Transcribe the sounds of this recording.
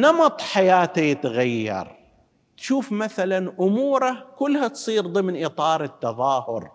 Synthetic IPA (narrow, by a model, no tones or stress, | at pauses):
nɑmɑt̪ˤħajaːt̪ajɪt̪ɣajːɑ̰ɾˤ | t̪ʃuːfmaθalanʔʊmuːɾˤakʊlːhat̪sˤiːɾðˤɨmnʔit̪ˤɑːɾˤɪt̪ːɑðˤɑːhʊɾ